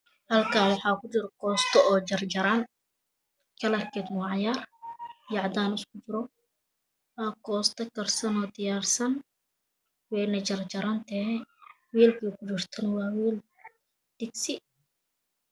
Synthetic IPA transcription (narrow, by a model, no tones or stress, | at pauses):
hɐlkʰaːwɑħɑːkʊt͡ʃɪɾɔkʰɔːst̪ʰɔɔːt͡ʃɐrd͡ʒɐɾan | kʰɐlɐkʰɛt̪nɔːʕɑjaːrjɐʕd̪aːnɪskʰʊt͡ʃɪɾɔ | ɐkʰɔːst̪ʰɐkɐrsɐnɔːd̪ɪjaːrsɐn | wɛjnɐt͡ʃɐrt͡ʃɐɾant̪ʰɛhɛ | wiːlkʰiːkʰʊt͡ʃɪrt̪ʰɐnɐwɑːwiːl | d̪̥ɪksɪ